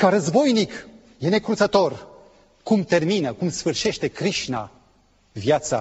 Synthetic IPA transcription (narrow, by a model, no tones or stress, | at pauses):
kaɾəzbo̞jnik | je̞ne̞kɾut̪sət̪o̞r | kumt̪e̞rminəkumsfɨrʃe̞ʃt̪e̞kɾiʃna̰ | vjat̪sa